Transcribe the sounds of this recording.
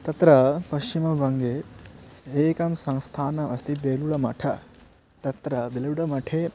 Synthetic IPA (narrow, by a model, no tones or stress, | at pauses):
t̪ɐt̪ɾɐpɐʃt͡ʃimɐʋɐŋɡeː | eːkɐmsɐŋst̪ʰaːnɐʔɐst̪ibeːluɭɐmɐ̰ʈʰɐ | t̪ɐt̪ɾɐd̪ilɐʋɽɐmɐʈʰeː